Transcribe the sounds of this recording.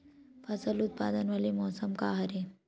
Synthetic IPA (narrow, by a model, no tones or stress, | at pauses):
pʰɐsəlut̪̚pa̰ːd̪ənʋalemɔːsəmkaːɦɐɾe